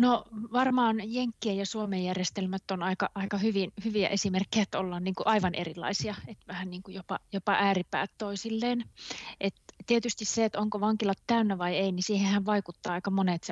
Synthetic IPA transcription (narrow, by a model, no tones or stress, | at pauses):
noʋɑrmɑːnjeŋkːiæjɑsuomejjærjest̪elmæt̪ːonɑikɑʔɑikɑhyʋinhyʋiæ̰ʔesimerkːijæt̪ːolːɑːnniːŋkuʔɑiʋɑnʔḛrilːˑɑ̰isiɑet̪ʋæhænniːŋkujopɑjopɑʔæːripæ̰ːt̪t̪oisilːeːnʔet̪t̪ːiet̪yst̪isseet̪oŋkoʋɑŋkilɑt̪kæynːæʋɑieinisiːhehæʋʋɑikut̪ːɑːɑikɑmonet̪s